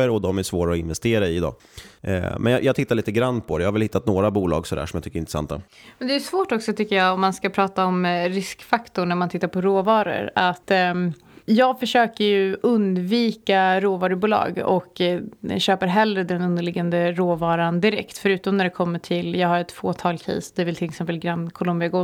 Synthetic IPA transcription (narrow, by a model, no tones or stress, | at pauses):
əɾɔd̪ɔmæsvoːɾaɔɪnvɛst̪eːɾaɪd̪ɑ̰ː | mɛnj̰jʔɑːt̪ʰɪt̪ːaɾɭiːt̪əɡɾandpʰɔd̪ɛjɑːhaɾvɛlhɪt̪ːat̪noːɾabuːlɑ̰ːɡsɔd̪æ̰ɾʂɔmjɑt̪ʏkːəɾɪnɾɛsa̰nt̪ːa̰ | mɛd̪ɛjɵsvoːʈɔksɔt̪ʰʏkːəjɑːɔmːanskapʰɾɑːt̪aɔmɾɪskfakt̪ʊɳæɾmant̪ʰɪt̪ːaɾpɔɾoːvɑːɾə̰ɾat̪ː | jɑːɡfœʂøːkəɾjɵʔɵnd̪viːkaɾoːvɑːɾəbuːlɑ̰ːɡɔ̰k | ɕøːpəɾɦɛlɾəd̪ɛnɵnd̪əɭɪɡand̪əɾoːvɑːɾand̪ɪɾɛkt̪fœɾʉ̟ːt̪ɔmnæɖɛkʰɔmːəʈʰɪljɑːɡhaɾɛt̪foːt̪ʰɑːlkʰɛ̰ːsd̪ɛvɪlt̪ʰɪŋːsɔmvɪlɡɾankʰʊlʊmbɪaɡoː